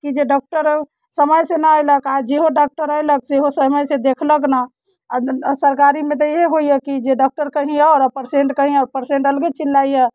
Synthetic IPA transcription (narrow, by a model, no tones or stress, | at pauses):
kid͡ʒeɖɔk̚ʈəɾ | səməjsenəəjləkad͡ʒeɦoɖɔk̚ʈəɾəjlək̚seɦosəməjsed̪ekʰləkna | səɾkaɾimẽt̪eɦeɦoijɛkid͡ʒeɖɔk̚ʈəɾkəɦĩɛɔːɾəpəɾsẽɳʈkəɦĩɛpəɾseɳʈəlɡet͡ʃilːaijɛ